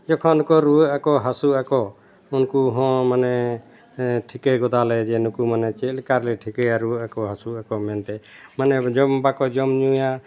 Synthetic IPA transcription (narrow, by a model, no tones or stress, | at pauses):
d͡ʒɔkʰɔnkɔɾuəakɔɦasuakɔ | unkuɦɔ̃manɛ | ʈʰikeɡɔd̪alɛd͡ʒɛnukumanɛt͡ʃɛlkaɾlɛʈʰikɛaɾuakɔɦasuakɔmɛnt̪ɛmanɛd͡ʒɔmbakɔd͡ʒɔmɲuja